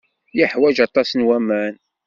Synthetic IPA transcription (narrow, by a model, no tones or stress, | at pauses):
jəħwæʒɑt̪ˤɑsnwæmæn